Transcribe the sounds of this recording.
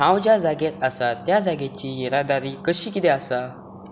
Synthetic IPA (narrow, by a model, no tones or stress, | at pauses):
ɦãwd͡ʑjad͡zaɡet̪əsat̪jad͡zaɡet͡ɕijeɾad̪aɾikəɕiːkit̪easa